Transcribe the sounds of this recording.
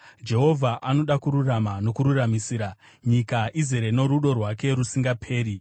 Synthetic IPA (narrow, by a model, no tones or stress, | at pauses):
d͡ʒe̞ɦo̞vʱaʔano̞ɗakuɾuramano̞kuɾuramisiːɾa | ɲikaʔizeɾeno̞ɾuɗo̞rwake̞ɾusiŋɡapʰe̞ːɾi